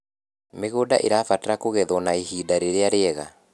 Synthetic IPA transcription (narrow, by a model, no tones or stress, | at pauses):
meɣoda̰ʔeɾaːfataɾakoɣɛðɔnaeɦiːdaɾeɾeaɾeɛɣa